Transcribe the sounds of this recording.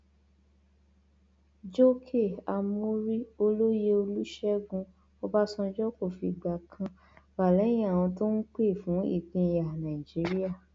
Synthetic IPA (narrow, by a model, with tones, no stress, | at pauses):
d͡ʒo˦kʰe˦˨a˧mo˦ɾi˦o˧lo˦je˦o˧lu˦ʃɛ˦ɡũ˧ | ɔ˧ba˦sɔ̃˧d͡ʒɔ˦ko˦˨fi˧˨ɡ͡ba˨kʰã˧ | ba˨lɛ̃˨˦ĩ˦˨w̃ɔ̃˧to˦n̩˦k͡pe˦˨fũ˨˦ḭ˦˨kĩ˧˨ja˨nã˨ĩ˨d͡ʒi˨˦ɾi˦a˦˨